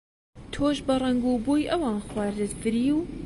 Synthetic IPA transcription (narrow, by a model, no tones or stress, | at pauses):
t̪ʰoːʒbɐrɐŋɡuːbuːjʔɐwɑːnxwɑːɾd̪ɨt̪fɨɾiːw